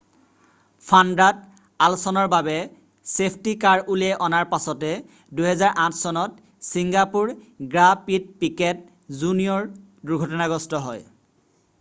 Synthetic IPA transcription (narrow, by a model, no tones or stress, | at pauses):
pʰandɹad | alsɔnɔɹbabɛ | sepʰtikaɹulɛʔɔnaɹpasɔtɛ | duɦɛzaɹʔãtʰsɔnɔt̚ | siŋɡapuɹ | ɡɹapid̚pikɛt̚ | zunijɔɹ | duɹɡʱɔtɔnaɡɔstɔɦɔj